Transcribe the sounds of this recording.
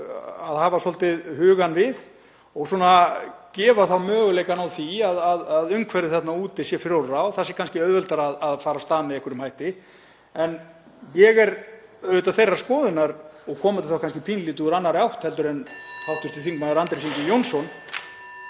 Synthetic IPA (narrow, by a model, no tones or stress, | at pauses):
aðhaːvasɔlt̪ɪðhʏːɣanvɪð | ɔɣsɔːnacɛːvaθawmœːɣʏlejkanawθiaðaðaðʏmkʰvɛɾðɪθɛt̪nauːt̪ɪsjɛfɪɾoɾɾawθasjɛkanscɪœðvœlt̪aɾaðaðfaːɾast̪aːðmɛðɛhkʏɾʏmhajht̪ɪ | ɛn | jɛɣɛɾœɾvɪt̪aθejrːaskɔːðɪnaɾɔɣkʰɔːmat̪ʰɪlθawkanscɪpʰinliːt̪ʏɣɾanːaɾjawht̪hɛlt̪ʏɾɛnhawht̪ʏst̪ɪθiŋkmaðɪɾant̪ɾesiŋkɪjownsɔn